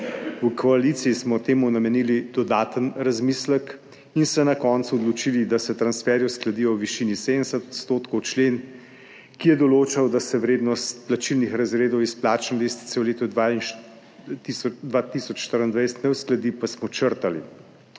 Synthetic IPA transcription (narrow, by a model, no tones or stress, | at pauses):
ukʰɔaliːt̪sijismɔt̪eːmunamɛniːlid̪ɔd̪aːt̪ənɾazmiːslək | insɛnakɔːntsuɔd̪lɔt͡ʃiːlid̪asɛt̪ɾansfɛɾjɔsklad̪iːjɔwʋiʃiːnised̪ənsɛt̪ɔt̪st̪oːt̪kɔwt͡ʃleːn | kijɛd̪ɔloːt͡ʃawd̪asɛwɾeːd̪nɔstt̪plat͡ʃilnixɾazɾeːd̪ɔwisplaːt͡ʃnɛd̪eːst̪i̥t̪sɛwleːt̪ɔa | t̪isɔd̪ʋat̪isɔt͡ʃʃt̪əɾənd̪ʋajsɛ̥t̪nɛwsklad̪ipasmɔt͡ʃəɾt̪alḭ